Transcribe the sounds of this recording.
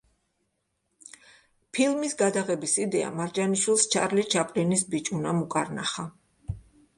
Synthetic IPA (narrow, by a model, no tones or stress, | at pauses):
pʰilˠmisɡad̪aʁɛbisid̪ɛa̰maɾd͡ʒaniʃwilˠst͡ʃʰa̰ɾlit͡ʃʰapʼlinisbit͡ʃʼunamukʼaɾnaχa